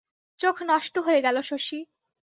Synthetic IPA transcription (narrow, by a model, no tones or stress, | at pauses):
t͡ɕokʰnɔʃʈoɦoeɡɛloʃoʃi